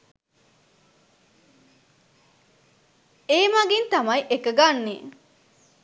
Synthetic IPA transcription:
eːmɐɡint̪ɐmɐjʔekɐɡanːiː

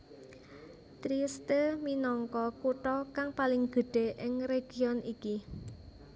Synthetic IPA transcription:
t̪ɾist̪əminɔŋkɔkuʈɔkaŋpalɪŋɡ̥ə̤ɖ̥e̤ʔɪŋɾeɡ̥iɔnʔiki

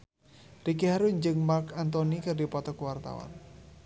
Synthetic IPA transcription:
rikiɦaɾuɲd͡ʒɨŋmarkʰant̪ɔnikɨrdipɔt̪ɔkuwart̪a̰wa̰n

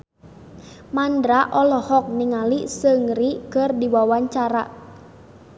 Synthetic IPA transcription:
mandɾaʔɔlɔhɔk̚niŋalisəŋrikɨrdiwawaɲt͡ʃaɾa

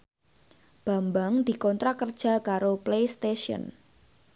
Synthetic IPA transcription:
b̥a̤mbaŋd̪̥i̤kɔnt̪ɾakərd̥ʒ̥a̤kaɾoplest̪eʃiɔ̰n

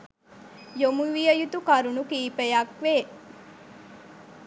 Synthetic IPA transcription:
jomuʋijəjut̪ukɐɾunukiːpejɐkʋeː

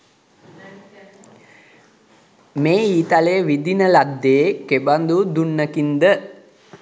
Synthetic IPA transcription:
meːiːt̪aleʋid̪inəlad̪ːeːkeband̪ud̪unːəkind̪ə

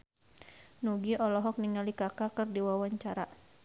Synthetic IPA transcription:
nuɡiɔlɔɦɔk̚niŋalikakakɨrdiwawaɲt͡ʃaɾa

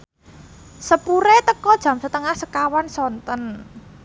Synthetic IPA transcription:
səpuɾet̪əkɔd̥ʒ̥ä̤msət̪əŋahsəkawansɔnt̪ɔn

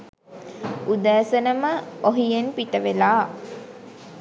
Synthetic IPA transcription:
ud̪æːsənəməoɦijenpitəʋelaː

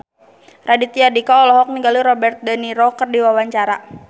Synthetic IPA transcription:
rʔadit̪iadikaɔlɔɦɔk̚niɡaluɾɔbɛrt̪̚daniɾɔkərdiwawaɲt͡ʃaɾa

